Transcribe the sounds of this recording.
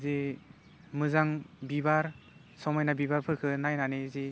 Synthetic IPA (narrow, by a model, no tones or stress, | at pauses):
ze | mɯzaŋbibaɾ | sɔmɔjnabibaɾpʰɯkʰɯnajnaneze